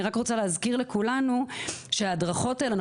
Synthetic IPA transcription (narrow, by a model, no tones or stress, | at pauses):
iʁakʁot͡saleɦazkiʁle̞kulanuʃeadʁaχo̞taelan